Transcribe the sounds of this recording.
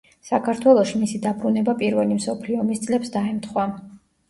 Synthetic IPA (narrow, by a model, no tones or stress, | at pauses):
sakʰaɾt̪ʰwɛlˠɔʃimisid̪abɾunɛbapʼiɾvɛlimsɔpʰliɔmist̪sʼlɛpsd̪aɛmt̪ʰχwa